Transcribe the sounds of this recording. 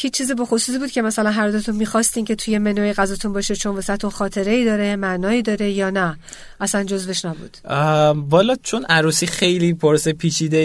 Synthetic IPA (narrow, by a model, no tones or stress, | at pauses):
hiːt͡ʃːt͡ʃʰːiːzibɒxosuːs̬iːbuːd̪̚cʰe̞mæsælænɦæɾd̪ot̪ʰunmiːxɒst̪iːncʰe̞t̪ʰuje̞me̞nojeɣæzɒt̪ʰunbɒːʃet͡ʃʰonvesæt̪ʰunxɒːt̪ʰe̞ɾeiːd̪ɒːɾemæʔnɒːiːd̪ɒːɾe̞jɒːnæ | ʔæsænd͡ʒo̞zve̞ʃnæbṵːd̪̥bɒːlɒːt͡ʃʰonæɾuːsiːxe̞jliːpʰoɾsepʰiːt͡ʃʰiːd̪e